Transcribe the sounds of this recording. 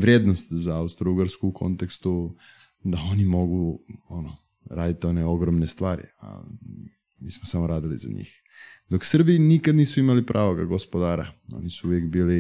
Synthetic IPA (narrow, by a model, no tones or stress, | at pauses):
ʋɾʲjed̪nost̪zaaust̪ɾuɡaɾskuukʰo̞̰nt̪ekst̪u | d̪ao̞nimo̞ɡuono | ɾaːd̪it̪io̞neo̞ɡɾomnest̪ʋaːɾḭa̰ | miːsmosamoɾaːd̪iliza̰ɲḭːx | d̪oksr̩binikad̪niːsuimalipɾʔaːʋo̞ɡa̰ɡo̞spo̞d̪aːɾa̰o̞̰nisuuʋjekbiːli